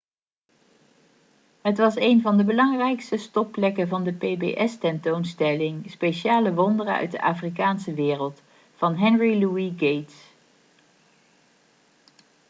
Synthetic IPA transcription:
ɦətʋɑsejnvɑndəbəlɑŋrɛjkstəstɔplɛkənvɑndəpejbḛːʔɛstɛntownstɛlɪŋspejʃaːləʋɔndərənœ̰ɥt̚də̰ʔaːfrik̬aːnsəʋɪːrəlˠt | fɑnɦɛnriluiɡejts

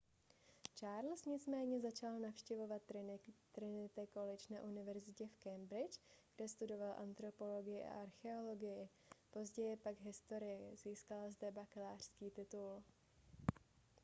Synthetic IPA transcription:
t͡ʃaːɾl̩sɲɪt͡smɛːɲɛzat͡ʃalnafʃcɛvo̞vat̪t̪ɾɪnɪt̪ɛko̞lɪt͡ʃna̰ʔunɪvɛɾzɪcɛfkɛmbɾɪt͡ʃɡ̥dɛst̪udo̞valʔant̪ɾo̞po̞lo̞ɡɪjɪʔa̰ʔaɾxɛo̞lo̞ɡɪjɪ | po̞zɟɛjɪpaɡɦɪst̪o̞ɾɪjɛziːskalazdɛbakɛlaːr̝̥skiːt̪ɪt̪ul

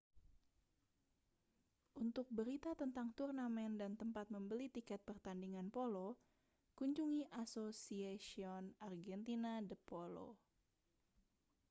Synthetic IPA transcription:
ʔunt̪ʊk̚bəɾit̪at̪ənt̪aŋt̪urnamɛndant̪əmpat̪̚məmbəlit̪ikɛt̪̚pərt̪andiŋanpolo | kuɲd͡ʒuŋiʔasosiasiɔnarɡɛnt̪inadəpolo̰

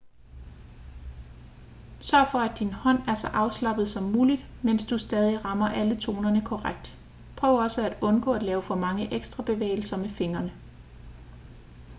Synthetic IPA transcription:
sɶɐ̰fɒ̽æd̥inhɒ̽n̰æɐsɒ̽ʔɑ̈ʊslɑ̈b̥ð̞̩ˠsɒ̽mːuːlid̥men̰sd̥usd̥ɛːð̞ˠiʁɑ̈mɐʔælət͡sʰo̝̰ːnɐnəkʰɒʁaɡ̥̚d̥ | pʰʁœʊɐɒ̽səæd̥ɔ̽nɡ̥ɔ̰ːæd̥lɛːʊəfɒ̽mɑ̈ŋəʔeɡ̥sd̥ʁɑ̈b̥e̝ʋḛːɪl̩sɐmefe̝ŋɐnə

